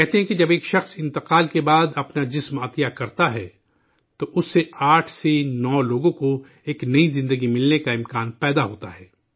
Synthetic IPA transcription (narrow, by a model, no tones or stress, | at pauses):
kɛɦt̪eɦɛ̃kid͡ʒɐbeːkʃɐxsɪ̃nt̪ɪqaːlkebaːd̪ɐpnad͡ʒɪsmɐt̪ijakɐɾt̪aɦɛ | t̪oʔʊsːeaːʈʰsenɔːloːɡõko | eːknɐizɪ̃nd̪əɡimɪlnekaɪ̃mkaːnpɛːd̪aɦoːt̪aɦɛː